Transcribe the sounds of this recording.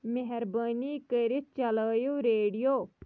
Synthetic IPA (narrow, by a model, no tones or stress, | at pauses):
meɦɛɾbaːniːkəɾɪt̪̚t͡ʃɐləːjoːɾeːɖijoː